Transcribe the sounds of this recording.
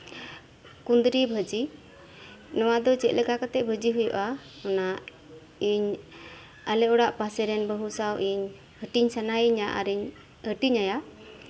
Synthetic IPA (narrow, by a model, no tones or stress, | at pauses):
kund̪ɾibʱəd͡ʒi | nɔwad̪ɔt͡ʃɛt̪̚ləkakat̪ɛʔ̚bʱəd͡ʒiɦujṵʔaɔnaʔ | iɲ | alɛɔɽaʔpasɛɾɛnbəɦusawʔiɲ | həʈiɲsanajiɲaʔa̰ɾiɲ | həʈiɲaja